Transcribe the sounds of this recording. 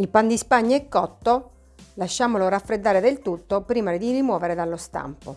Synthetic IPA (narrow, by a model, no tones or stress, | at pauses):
ilpand̪ispaɲːɛkːɔt̪ːo | laʃːaːmoloɾafːɾed̪ːaːɾed̪elt̪ut̪ːopɾiːmad̪irimwɔːveɾed̪alːost̪a̰mpo